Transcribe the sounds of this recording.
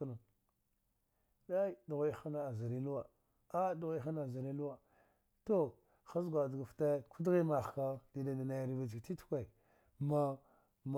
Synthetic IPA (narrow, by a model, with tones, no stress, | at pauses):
na˨ | da˦i˦du˨ɣa˦i˦a˦na˨a˨za˨ɾi˦lu˦wa˨ | a˦du˨ɣa˦a˦na˨za˨ɾi˦lu˦wa˨ | to˦ | xa˦zɡʷa˨dɡa˨fta˦ku˦dɣi˦ma˨xka˦di˨da˨na˨na˨jɾi˨va˨d͡ʒkti˦tu̥˦kʷa˨ | ma˦ | m˨